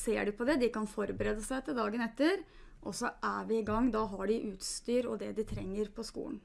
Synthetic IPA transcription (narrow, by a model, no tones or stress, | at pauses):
seːɖʉpʰɔd̪ɛd̪ɪkɑnfɔɾbəɾɛd̪əsæɛt̪ːəd̪ɑːɡənɛt̪ːəɾ | ʔɔsɔʔæʋɪɪɡɑŋːd̪ɑɦɑɖɪʔʉːt̪st̪yːɾɔ̰d̪ɛd̪ɪt̪ʰɾɛŋːəɾpʰɔskṵːlən